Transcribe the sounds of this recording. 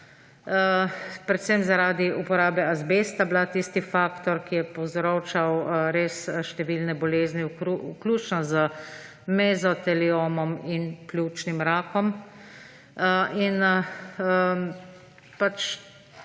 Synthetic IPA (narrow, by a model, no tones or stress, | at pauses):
əpɾɛt̪sɛmzaɾaːd̪iupɔɾaːbɛazbest̪ablat̪ist̪ifaːkt̪ɔɾkijɛpɔwzɾoːt͡ʃawɾeːsʃt̪ɛʋiːlnɛbɔleːzniuuklʲuːt͡ʃnɔzə | mɛzɔt̪ɛlioːmɔminplʲut͡ʃnimɾaːkɔm | əin | ə | pat͡ʃ